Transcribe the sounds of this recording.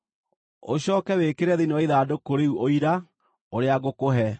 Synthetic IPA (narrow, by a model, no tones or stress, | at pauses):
oɕɔːkɛwekeɾɛðinɔiðaːdokoɾeuoiɾa | oɾeaɣokoɦɛ